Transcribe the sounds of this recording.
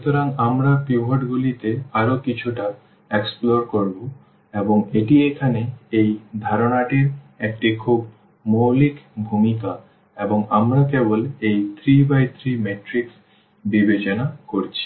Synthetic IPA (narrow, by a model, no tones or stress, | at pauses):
ʃut̪oɾaŋamɾapiɦoʈɡulit̪eaɾokit͡ɕʰuʈa | eksploɾkoɾbo | eboŋeʈiekʰaneejd̪ʱaɾonaʈiɾ | ek̚ʈikʰub | mowlikbʱumika | eboŋamɾakebolejt̪ʰɾibajt̪ʰɾimeʈɾiks | bibet͡ɕonakoɾt͡ɕʰi̥